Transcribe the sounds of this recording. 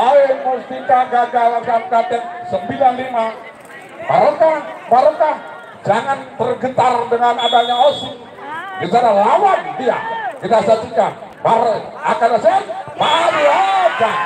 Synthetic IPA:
aemust̪ikaɡaɡalaɡamkat̪ɛŋsəmbilanlima | maɾokamaɾoka | d͡ʒaŋanbərɡət̪ardəŋanadaɲaosɪk | ɡət͡ʃaɾalawandia̰kit̪asat͡ʃikamaɾoakadasermaɾuad͡ʒa

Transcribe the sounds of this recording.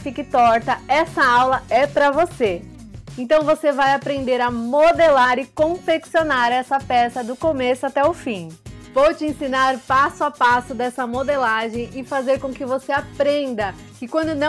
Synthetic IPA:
kɪkɪt̪ɔɾt̪ɐɛsɐawlɐɛpɾɐvose | ẽnt̪ɐ̃w̃vosevajapɾẽnd̪eɾɐmod̪elaɾɪkõfeksionaɾɛsɐpɛsɐd̪ʊkomesʊat̪ɛʊfĩvot͡ʃɪẽsĩnaɾpasʊapasʊd̪ɛsɐmod̪elaʒẽj̃ɪfazeɾkõkɪvoseapɾẽnd̪ɐ | kɪkwɐ̃nd̪ʊnɐ̃

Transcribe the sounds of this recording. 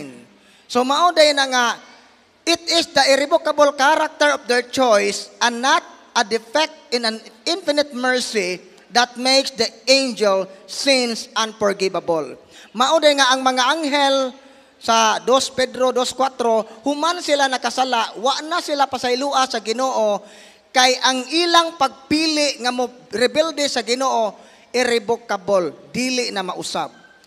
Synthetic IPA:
n | somaʔod̪ajnaŋa | ɪt̪ɪsd̪ɐʔɪɾɪbokabolkaɾak̚t̪ɛɹɔfd̪ɛɹt͡ʃɔjsanat̪̚ | ad̪ɪfɛk̚t̪̚ɪ̃nanɪnfɪnɪt̪̚mɛɹsi | d̪at̪̚mejksd̪əẽjnd͡ʒɛlsɪnsʔãnfɔɹɡɪbabol | maʔod̪ajŋaʔaŋmɐŋaʔaŋɦɛl | sad̪ospɛd̪ɾod̪oskwat̪ɾohʊmansɪlanakasalaʔwaʔnasɪlapasajluːʔasaɡɪnoːʔo | kajʔaŋʔiːlaŋpaɡ̚piːlɪʔŋamʊɾɪbɛld̪ɪsaɡɪnoːʔo | ʔɪɾɪbokːabold̪iːlɪʔnamaʔʊsa̰b̚

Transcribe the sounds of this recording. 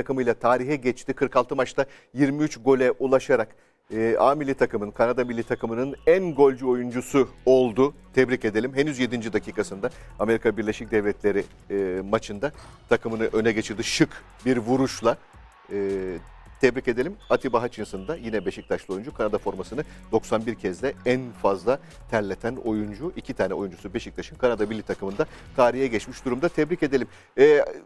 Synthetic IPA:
akɯmɯjlˠat̪ʰaːɾiɦɛɟɛt͡ʃt̪ʰikʰɯɾkʰalˠt̪ʰɯmat͡ʃt̪a | jiɾmiyt͡ʃɡo̞lʲɛʔulˠaʃaɾakː | aːmilʲit̪ʰakɯmɯnkʰanad̪amilʲːit̪ʰakʰɯmɯnɯnænɡo̞lʲd͡ʒuo̞jund͡ʒusuo̞lˠd̪ut̪ʰɛbɾice̞d̪e̞lʲimɦenyzje̞d̪ind͡ʒid̪acʰiːkʰasɯnd̪aame̞ɾikʰabiɾlʲeʃic̚d̪ɛvlʲɛt̪ʰlʲe̞ɾi | mat͡ʃʰɯnd̪a | t̪ʰakʰɯmɯnɯʔø̞nɛɟe̞t͡ʃʰiɾd̪iʃɯk | biɾvuɾuʃlˠa | ɯː | t̪ʰɛbɾice̞d̪elʲimat̪ʰibaɦat͡ʃʰɯnsɯnd̪ajinɛbe̞ʃic̚t̪ʰaʃlˠɯo̞jund͡ʒukʰanad̪afo̞ɾmasɯnɯd̪̥o̞ksanbiɾcʰɛzd̪ɛænfazlˠa | t̪ʰæɾlʲet̪ʰæno̞jund͡ʒuʔicʰit̪ʰaːnɛo̞jund͡ʒusube̞ʃic̚t̪ʰaʃɯnkʰanad̪abilʲːit̪ʰakɯmɯnd̪a | k̪ʰaːɾijɛɟɛt͡ʃmiʃd̪uɾumd̪at̪ʰɛbɾice̞d̪e̞lʲim | ɛ

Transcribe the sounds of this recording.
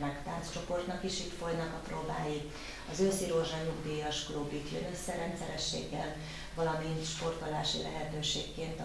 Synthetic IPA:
nɛkt̪aːnst͡ʃo̞po̞rt̪nɒkiʃiːt̪fo̞jnɒkɒproːbaːji | ɒzøːsiɾoːʒanuɡd̪ijɒʃkroːbik̪jø̰nø̞sːɛɾɛnt̪sɛɾɛʃːḛːɡːɛl | vɒlɒmint̪ʃpo̞rt̪olaːʃḭlʔɛ̰ɦɛt̪øːʃeːkːeːnt̪

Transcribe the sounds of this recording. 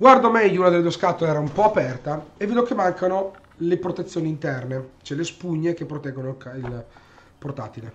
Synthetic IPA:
ɡward̪omɛʎːounad̪elːed̪ueskat̪oleɛːɾaumpɔapɛrt̪aevːeːd̪ok̟emːaŋkano | lepɾot̪et̪sːjoːnint̪ɛrnet͡ʃɛlespuɲːek̟epːɾot̪ɛɡːonolkail | port̪a̰ːt̪ile

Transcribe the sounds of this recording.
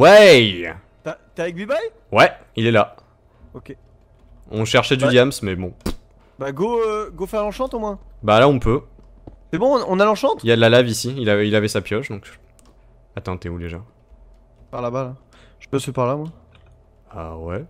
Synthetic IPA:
wɛ | t̪at̪eavɛk̚bibaj | wɛ | ilɛla | okʲe | ɔ̃ʃɛʁʃɛd̪yd̪jamsmɛbɔ̃ | baɡoɡofɛlɑ̃ʃɑ̃t̪omwɛ̃balaɔ̃pø | sɛbɔ̃ɔ̃nalɑ̃ʃɑ̃t̪iljad̪lalavisiilailavɛsapjɔʃd̪ɔ̃k | at̪ɑ̃t̪eud̪eʒa | paʁlabala | ʒ̥əpøsɛpaʁlamwɛ̃ | a̰wɛ

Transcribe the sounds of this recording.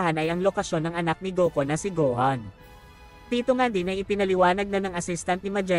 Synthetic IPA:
hanɐjɐŋlo̞kɐʃjo̞nːɐŋʔɐnak̚nɪɡoːkonɐsɪɡohɐn | d̪̥iːt̪oŋand̪inɐjʔɪpɪnɐlɪwaːnɐɡ̚nɐnɐŋʔɐsist̪ɐnt̪̚nɪmɐd͡ʒɛ

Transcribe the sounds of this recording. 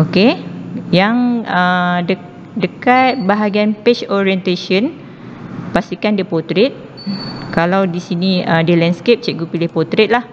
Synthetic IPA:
okejaŋədə | dəkat̪̚baɦaɡianpet͡ʃoɾiɛnt̪aʃən | past̪ikandəpɔt̪ɾet̪̚ | kalawdisiniədəlɛnskep̚t͡ʃɛʔɡupilɪhpɔt̪ɾet̪̚lah

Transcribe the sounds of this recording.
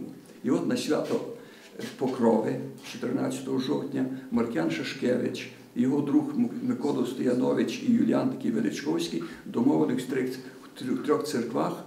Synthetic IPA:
iɔt̪nɐɕʋʲat̪ɔ | pɔkɾɔʋɪt͡ʃɔt̪eɾena̰sʲɐt̪ɔɦɔʒɔwt̪ʲnʲɐmɐrkʲjanʃɐʃkɛʋɪt͡ʃ | jɔɦɔd̪ɾuxmɪkɔd̪ɔst̪ɪjɐnɔʋɪt͡ʃijʊlʲijant̪ɐkʲijʋed̪ɪt͡ʃkɔwsʲkijd̪ɔmɔʋɐlɪwst̪ɾɪx | t̪ʲɾʲɔxt̪sɪrkʋax

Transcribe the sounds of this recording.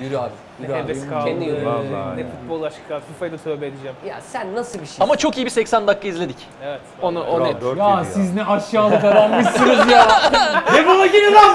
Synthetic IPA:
jyɾyad̪ | yevɛɛnd̪ijoɛfut̪̚bolˠaʃɯkasufajd̪at̪ʰøːbɛed̪id͡ʒæmja̰sænːasɯbiʃʃiamat͡ʃʰo̞kijibisɛcsænd̪akːaizlʲe̞d̪ic | evɛt̪onaʔonejasiznɛʔaʃjaːlˠɯkaɾalmɯʃsunɯzjajepolˠaɟenila

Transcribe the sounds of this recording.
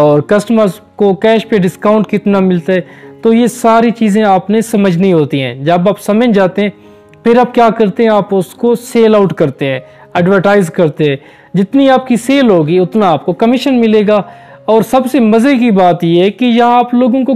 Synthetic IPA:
ɔːɾkɐsʈəməɾz | kokɛːʃpeɖɪskaːʊ̃ɳʈkɪt̪namɪlt̪aɦɛːt̪ojesaːɾit͡ʃiːzẽaːpnesɐməd͡ʒʱnĩɦoːt̪iɦɛ̰̃ːd͡ʒɐbaːpsɐmə̃d͡ʒaːt̪eɦɛ̃ː | pʰɪɾaːp̚kjaːkɐɾt̪eɦɛ̃aːpʊskoseːlaʊʈkɐɾt̪eɦɛ̃ː | ɛːɖʋəɾʈaːɪzkɐɾt̪eɦɛ̃ː | d͡ʒɪt̪niaːp̚kiseːlɦoːɡiʊt̪naːp̚kokɐmɪʃənmɪleːɡaː | ɔːɾsɐbsemɐzekibaːt̪jeɦɛkijɐɦãaːploːɡõko

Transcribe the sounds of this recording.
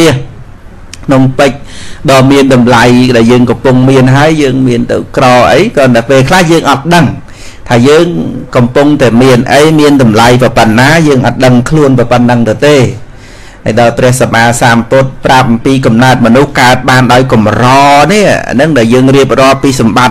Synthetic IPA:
iəh | kʰnoŋpɨc̚ɗɑːmiənɗɑmlajɗaɛljəːŋkɑmpʊŋmiənɦaəjːəːŋmiənt̪ɨ̰wkrɑːʔəjkɑːnɨəpeːlkʰlahjəːŋʔɑt̪̚ɗəŋ | t̪ʰaːjəːŋkɑmpuŋt̪aɛmiənʔəjmiənɗɑmlajprɑpənːaːjəːŋʔɑ̰t̪̚ɗəŋkʰluənpɑpənːɨŋt̪ɨwt̪eː | hajɗaɔjprɛ̆əhsamʔaːsaːmpʊt̪̚prap̚mpiːkɑmnaət̪̚mɔnuhkaət̪̚ɓaːnɗaɔjkumrɑːniəa̰nɨŋɗaɛljəːŋriəp̚rŏəlpiːsɑmɓat̪̚

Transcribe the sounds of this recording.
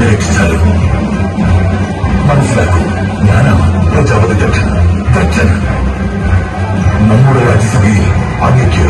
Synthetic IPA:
ɐɾeːkʂi̥t͡ɕːaːluu | mɐnɐsːilaːɣe | ɲaːnaːprɐd͡ʑaːʋɐd̪iɡɐʈʂɐnɐɡ̪ɐrʂɐnɐ | nɐmːuɽeɾaːd͡ʑɐsɐd̪ʱijil | aːɡ̪jɐkʲːiɐ

